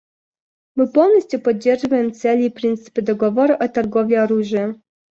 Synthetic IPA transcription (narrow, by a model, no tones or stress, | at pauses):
mɨpɔlˠnɔsʲtʲjupɔdd͡ʑːerʐɨvɐjɛmt̪sɛlʲiːpɾʲint̪sɨ̥pɨd̪ɔɡɔvɔɾuʔɐt̪ɐrɡovlʲiɔɾuʐɨjə